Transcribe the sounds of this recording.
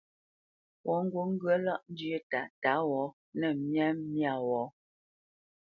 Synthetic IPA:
wʔɔ˨˦ŋ̩˦ɡwo˦ŋ̩˦ɡɰə˦la˦ʔn̩˦djə˦ta˨ta˨˦wɔ˨˦ | nɛ˨mjɛ˦mː˦ja˦˨wɔ˨˦

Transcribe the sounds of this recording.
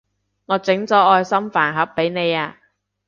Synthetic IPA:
ŋɔː˨˧t͡sɪ˨˥ŋt͡sɔː˨˥ʔɔː˧jsɐ˥mfaː˨˩nɦɐ˨˥pːe˨˥jne˨˧jaː˧

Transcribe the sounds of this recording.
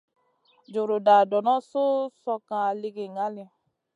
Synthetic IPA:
d͡ʒo˨ɾo˨da˨dɔ˨nã˦so˦sɔ˧kã˧a˧le˧ɡe˨ŋa˨˦le˧

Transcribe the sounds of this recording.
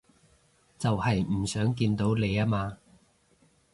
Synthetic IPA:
t͡sɐ˨whɐ˨jm̩˨˩sœː˨˥ŋk̬iː˧nt̪o˨˥wle˨˧jaː˥maː˧

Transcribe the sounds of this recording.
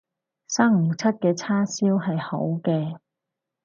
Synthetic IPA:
saː˥ŋ̩ː˨˩t͡sʰɐ˥t̚kɛː˧t͡sʰaː˥siː˥wɦɐ˨jho̰˨˥wkɛː˧

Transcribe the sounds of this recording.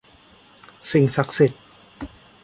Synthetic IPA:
si˨˩ŋsa˨˩k̚si˨˩t̪̚

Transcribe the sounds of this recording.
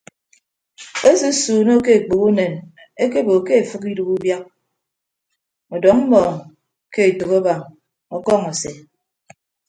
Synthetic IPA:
e˦su˦suː˨no˦ke˦e˨k͡po˨ku˦ne˨n | e˦k̬e˦bo˨ke˦e˨fɨ˦ki˦du˦ku˦bja˦k̚ | ɔ˨dɔ˨˦ŋm̩˦mɔː˨ŋ | ke˦e˨to˨kɔ˦ba˨ŋ | ɔ˦kɔ˦˨ŋɔ˨se˨

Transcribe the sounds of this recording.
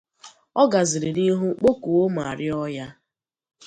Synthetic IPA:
ɔ˦ɡa˨zɪ˨ɾi˨ɾi˦ɦʊ˦k͡po˦ku˨wo˦m˨a˨ɾɪ˦ɔ˦ja˦

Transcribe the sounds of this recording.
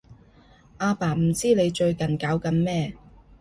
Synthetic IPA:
ʔaː˧paː˨˩m̩˨˩t͡siː˥ne˨˧jt͡ʃɵ˧ɥkɐ˨˩nkaː˨˥wkɐ˧mmɛː˥

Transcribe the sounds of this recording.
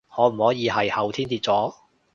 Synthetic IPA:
ŋɔː˨˧m̩˨˩hɔː˨˥jiː˨˧ɦɐ˨jhɐ˨˩wt̪ʰiː˥nt̪iː˧t̚t͡sɔː˨˥

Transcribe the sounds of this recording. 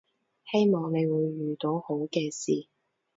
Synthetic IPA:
he˥jmɔː˨˧ŋne˨˧jwuː˨˧jːyː˨t̪o˨˧who˨˥wkɛː˧siː˨

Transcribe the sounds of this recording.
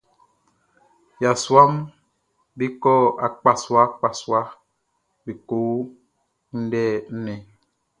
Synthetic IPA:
ja˨swa˦m | bi˦kɔ˦a˨k͡pa˨swa˦k͡pa˨swa˦ | bi˨ko˨˦ | n̩˦dɛː˦˨n̩˦ne˨

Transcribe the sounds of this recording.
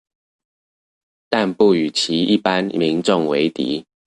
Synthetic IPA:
t̪a˥˧npu˥˩y˨˩t͡ɕʰi˨˦i˥˨pa˦nmi˧˦ŋʈ͡ʂo˥˨ŋwe˨˦ɪt̪ḭ˨˦

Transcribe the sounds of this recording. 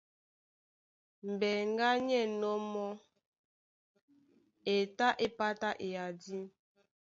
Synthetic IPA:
m̩˨bɛ˨ŋ˦ɡa˦ɲɛ˦˨nɔ˦mɔ˦ | e˨ta˦ʔe˦pa˦ta˦ʔe˨a˨di˦

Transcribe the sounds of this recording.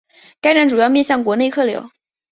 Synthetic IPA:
ka˥ɪʈ͡ʂa˥˩nʈ͡ʂu˨˩jɑ˥˧ʊmjɛ˥˧ɕjɑ˥˩ŋkwɔ˧˥ne˥˧ɪkʰɤ˥˩ljo̰˧˥ʊ

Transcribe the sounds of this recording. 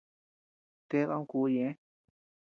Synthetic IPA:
t̪e˦βa˧˦ũ˦ku˨˦jẽ˨˦

